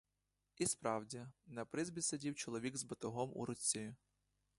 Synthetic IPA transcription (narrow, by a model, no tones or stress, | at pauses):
ispɾɑwdʲinɐpɾɪzbʲisʲɐdʲiwt͡ʃɔlˠɔʋʲiɡzbɐt̪ʊɦɔmṵɾʊt͡sʲːi